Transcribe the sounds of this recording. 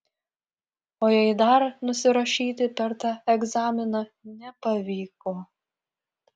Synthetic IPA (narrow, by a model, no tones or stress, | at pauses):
oːjɛɪd̪ɐɾnʊsʲɪɾɐʃʲiːt̪ʲɪpʲɛɾt̪ɑːɛɡzɑːmʲɪnɐnʲɛpɐʋʲiːkoː